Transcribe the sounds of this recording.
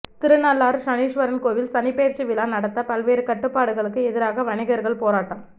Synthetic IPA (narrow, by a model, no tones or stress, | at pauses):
t̪ɪɾɯnɐlːaːɾʂɐniːʂʋɐɾɐnkoːʋɪlsɐnɪpeːɾt͡ʃɯʋɪlaːnɐɽɐt̪ːɐpɐlʋeːɾɯkɐʈːɯpːaːɽɯɣɐɭɯkːɯɛðɪɾaːɣɐʋɐɳɪɣɐɾɣɐɭpoːɾaːʈːɐːm